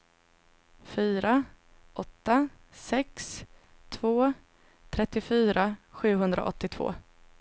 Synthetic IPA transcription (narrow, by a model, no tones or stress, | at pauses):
fyːɾa | ʔɔt̪ːa | sɛkst̪ʰvoː | t̪ʰɾɛt̪ːɪfyːɾaɧʉ̟ːɦɵnd̪ɾa̰ʔɔ̰t̪ːɪt̪ʰv̥o̰ː